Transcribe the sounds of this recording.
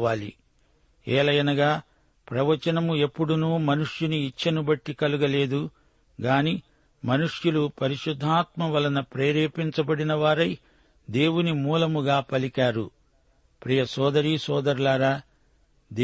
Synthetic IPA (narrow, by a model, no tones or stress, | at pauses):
aːlḭ | ɛːlɐjɐnɐɡaː | pɾɐʋɐt͡ʃɐnɐmue̞pːuɽunuːmɐnuʂjuniːt͡ʃːɐnubɐʈːikɐluɡɐle̞ːd̪u | ɡaːni | mɐnuʂjulupɐɾiʃud̪ʱːaːt̪mɐʋɐlɐnɐpɾeːɾeːpiɲt͡ʃɐbɐɽinɐʋaːɾɐj | d̪e̞ːwunimuːlɐmuɡaːpɐlikaːɾṵ | pɾiːjɐsɔːd̪ɐɾisɔːd̪ɐɾlaːɾaː | d̪